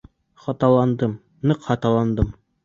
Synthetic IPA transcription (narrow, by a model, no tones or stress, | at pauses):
χɒt̪ɑlˠɑnd̪ɤm | nɤqhɒt̪ɑlˠɑnd̪ɤm